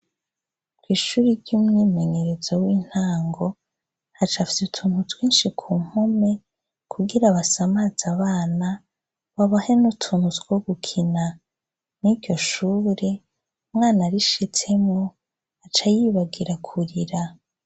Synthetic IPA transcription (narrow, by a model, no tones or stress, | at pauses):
kwiːʃuːɾiɾɟuːmŋiːme̞ɲe̞ɾe̞zowiːn̥haːŋɡo̞ | hat͡ʃafisutʰuːnhutwiːnʃikʰuːŋ̥home̞ | kʰuɡiɾaβasamaz̥aβaːna | βaβahe̞nutʰuːnhut͡sɡwoɡukʰina | niɾɟo̞ʃuːɾe̞ | umŋaːnaɾiʃit͡se̞mŋo | at͡ʃajiːβaɡiɾakʰuɾiɾa